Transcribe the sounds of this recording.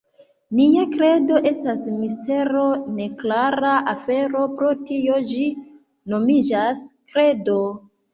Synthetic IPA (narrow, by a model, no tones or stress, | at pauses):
niakɾe̞do̞ʔe̞stasmiste̞ɾo̞ne̞klaɾaʔafe̞ɾo̞pɾotio̞d͡ʒi | no̞mid͡ʒaskɾe̞do̞